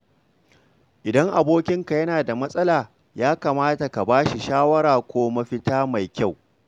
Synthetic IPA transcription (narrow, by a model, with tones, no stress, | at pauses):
ʔɪ˨dɐ˦ŋʔa˨boː˦kʲɪ˦ŋka˨jɐ˦naː˨da˨mɐ˦sʼɐ˦laː˨ | jaː˦kaː˨maː˦ta˨ka˨baː˦ʃi˨ʃaː˦wɐ˦ɾaː˨kʷoː˦mɐ˦ɸɪ˦taː˦ma˨jkʲa˦˨w